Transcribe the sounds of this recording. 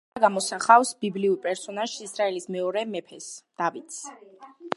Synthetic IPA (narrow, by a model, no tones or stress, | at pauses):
ɡamɔsaχafsbibliuɾpʼɛɾsɔnaʒisɾaɛlismɛɔɾɛmɛpʰɛsd̪̥avit̪ss